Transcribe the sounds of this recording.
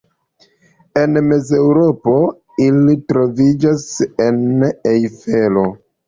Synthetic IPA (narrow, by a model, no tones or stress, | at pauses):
e̞nme̞ze̞wɾo̞po̞ | ilitɾo̞vid͡ʒase̞nejfe̞lo̞